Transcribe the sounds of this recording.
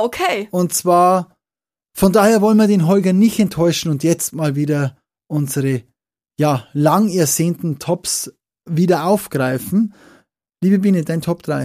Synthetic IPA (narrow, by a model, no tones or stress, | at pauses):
okʰeːʊntt͡sv̥aːɐ | fɔndaːheːɐvɔlənviɐdeːnɦɔlɡɐnɪçtɛntʰːɔʏʃn̩ʊntjɛt͡stmaːlviːdɐ | ʔʊnzəʁə | jaːlaŋɛɐzeːntn̩tʰɔps | viːdɐʔaʊfɡ̥ʁaɪfn̩ | liːbəbiːnədaɪntʰɔpd̥ʁaɪ